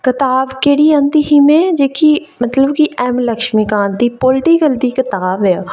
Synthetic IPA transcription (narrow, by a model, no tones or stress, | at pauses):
kɪt̪aːbkeːɽiːãːnd̪iːɦimẽːd͡ʒeːkimət̪ləbkiʔɛːmləkʃmiːkaːnd̪iːpoːlʈiːkəld̪iːkɪt̪aːbɛ